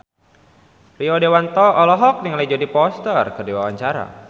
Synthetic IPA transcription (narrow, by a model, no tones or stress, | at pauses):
riɔdewant̪ɔɔlɔɦɔk̚nɪŋlɛd͡ʒɔdipɔst̪ərkɨrdiwawaɲt͡ʃaɾa̰